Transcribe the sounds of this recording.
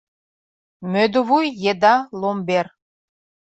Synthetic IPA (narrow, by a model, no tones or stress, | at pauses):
mød̪oβujːed̪ɑlˠomber